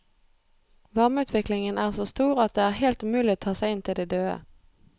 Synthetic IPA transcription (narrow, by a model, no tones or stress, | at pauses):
ʋɑʁməʉːt̪ʰʋɪklɪŋənæːʁsoːst̪uːʁɑt̪̚d̪eːæːʁheːlt̪ʉːmʉːlɪoːt̪ʰɑːsæɪɪnt̪ʰɪld̪ɛːd̪øːə̰